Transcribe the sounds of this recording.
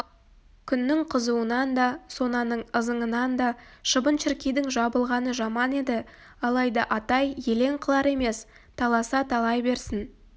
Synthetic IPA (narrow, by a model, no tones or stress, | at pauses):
kʲʰʏnːɪŋqʰəzuənɑnd̪ɑso̞nɑnəɴəzəɴənɑnd̪ɑʃəbənʃɪɾkʲejd̪ɪŋʒɑbəlˠʁɑnəʒɑmɑne̞d̪ɪ | ɑlˠɑjd̪ɑʔɑt̪ɑjje̞le̞ŋqʰəlˠɑɾe̞me̞s | t̪ʰɑlˠɑsɑt̪ʰɑlˠɑjbe̞ɾsɪn